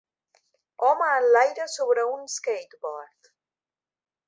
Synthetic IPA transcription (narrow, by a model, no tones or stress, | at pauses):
ɔmaːnlajɾəsoβɾəunskejt̪bɔɾt̪